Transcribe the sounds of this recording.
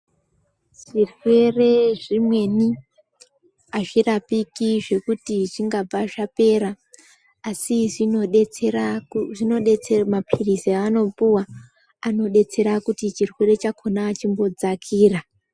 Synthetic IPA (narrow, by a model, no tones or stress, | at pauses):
ʐ̥irwe̞re̞ʐimwe̞ni | aʐirapikiʐe̞kutiʐiŋɡab͡vaʐape̞ːɾaː | siʐinoɗet͡seraʐino̞ɗet͡semapʰiriseano̞puwa | ano̞ɗe̞t͡se̞ɾakutit͡ʃirwe̞re̞t͡ʃakʰo̞naːt͡ʃimbo̞d͡zakʰiːra